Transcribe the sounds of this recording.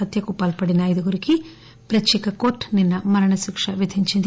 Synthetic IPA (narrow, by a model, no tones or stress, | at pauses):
ɐt̪jɐkupaːlpɐɽinaːjd̪ɐɡuɾiki | pɾɐt͡ʃikɐkoːʈninːɐmɐɾɐɳɐsukʂɐʋjid̪ʱiɲt͡ʃind̪